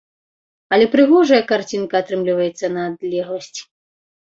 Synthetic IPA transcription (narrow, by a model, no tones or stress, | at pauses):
ɐlʲɛpɾɨɣɔʐɐjɐkart͡sʲinkɐat̪ɾɨmlʲivɐjɛt̪sːɐnɐːd̪lʲɛɣlˠɐsʲt͡sʲi̥